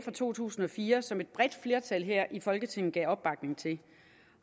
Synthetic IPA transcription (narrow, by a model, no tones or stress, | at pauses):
fʁɑ̈t͡sʰo̝̰ːt͡sʰṵːsn̩ɒ̽fiːɐsɒ̽me̝d̥̚b̥ʁɛd̥fle̝ɐt͡sʰælɦeɐ̰ʔifɒ̽lɡ̥ət͡sʰe̝ŋ̰n̩ɡ̥ɛ̰ːɒ̽b̥ɑ̈ɡ̥ne̝ŋt͡sʰe̝